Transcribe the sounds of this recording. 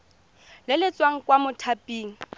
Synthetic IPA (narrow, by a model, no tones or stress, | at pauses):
lɪlɪt͡sʼwaŋ̩kwamʊtʰapʼiːŋ̩